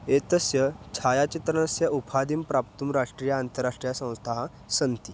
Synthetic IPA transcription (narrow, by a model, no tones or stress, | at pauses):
et̪əsjət͡ɕʰajat͡ɕit̪ɾənəsjəupʰad̪iːmpɾap̚t̪umɾaʂʈɾijaant̪əɾːaʂʈɾijasə̃w̃st̪ʰaɦã | sənt̪i